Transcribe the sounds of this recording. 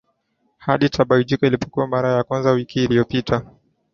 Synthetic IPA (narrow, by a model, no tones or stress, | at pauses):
haɗitʰaɓaid͡ʒikɔilipɔ̥kuwamaɾajakwanzawikiːlijɔpitʰa